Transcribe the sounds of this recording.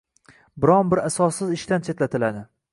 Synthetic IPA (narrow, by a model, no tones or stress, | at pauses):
bɪɾɒnbɪɾasɒsːɪzɪʃt̪ant͡ʃʰet̪lat̪ʰɪlad̪ɪ